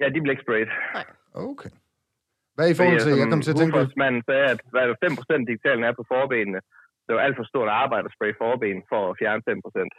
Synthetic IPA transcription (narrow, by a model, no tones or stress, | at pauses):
jæd̥iʋe̝le̝ɡ̥sb̥ʁeɪd̥ | oʊkʰe | ʋæifɔhɒemɑkɒmt͡sʰe̝fɒsmæn̰n̩sɛːæd̥ʋæd̥æfem̰pʰʁo̝sen̰d̥̚iɡ̥it͡sʰɛ̰ːln̩æɐpʰɒ̽fɒːb̥e̝̰ːnənə | d̥e̝ʋæl̰d̥fɒ̽sd̥o̝ɐ̰d̥ɑ̈ːb̥ɑ̈ɪd̥æsb̥ʁɛɪ̥fɒːb̥e̝̰ːn̩fɒfjæɐnəfem̰pʰʁosen̰d̥